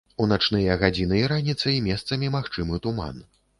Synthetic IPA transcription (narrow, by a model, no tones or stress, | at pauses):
unat͡ʂnɨjɐɣad͡zʲinɨiɾanʲit̪sɐimʲɛst̪sɐmʲimaxt͡ʂɨmɨt̪uma̰n